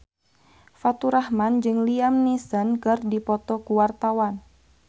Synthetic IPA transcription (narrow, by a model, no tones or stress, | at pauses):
fat̪uɾahmand͡ʒɨŋliamnisənkɨrdipɔt̪ɔkuwart̪awan